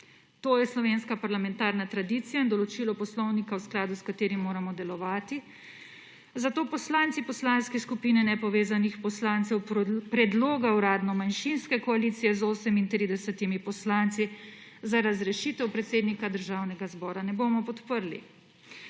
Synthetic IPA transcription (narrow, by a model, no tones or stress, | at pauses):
t̪oːjɛslɔʋeːnskapaɾlamɛnt̪aːɾnat̪ɾad̪iːt̪sijaind̪ɔlɔt͡ʃiːlɔpɔslɔwnikawsklaːd̪uskat̪eːɾimːoːɾamɔd̪ɛlɔʋaːt̪i | zat̪oːpɔslant̪sipɔslanskɛskupiːnɛnɛpɔʋeːzanixpɔslant̪sɛwpɾɛd̪loːɡauɾaːd̪nɔmanʃinskɛkɔaliːt̪sijɛzoːsɛmint̪ɾid̪ɛsɛt̪imipɔslant̪si | zaɾazɾɛʃiːt̪ɛwpɾɛt̪seːd̪nikad̪əɾʒaːwnɛɡazbɔːɾanɛboːmɔpɔt̪pəɾlḭ